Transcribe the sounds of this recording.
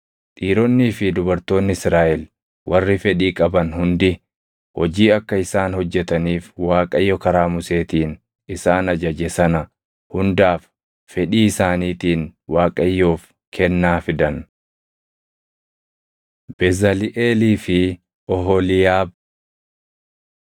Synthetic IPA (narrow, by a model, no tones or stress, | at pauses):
t̪ʼiːɾɔnːiːfɪd̪ʊbɐɾt̪o̞ːnːɪɪsɾaːʔɛl | wʔɐrːɪfɛᶑiːkʼɐbɐnhʊnd̪ɪ | hɔd͡ʒiːɐkːɐɪsaːnhɔd͡ʒːɛt̪ɐniːfwaːkʼɐjːɔkɐɾaːmʊse̞ːt̪iːn | ɪsaːnɐd͡ʒɐd͡ʒɛsɐnɐ | hʊnd̪aːfː | ɛᶑiːɪsaːniːt̪iːnwaːkʼɐjːo̞ːf | kʰɛnːaːfɪd̪ɐn | b̥ɛzɐlɪʔeːliːfɪ | ɔɦɔlɪjaːb̚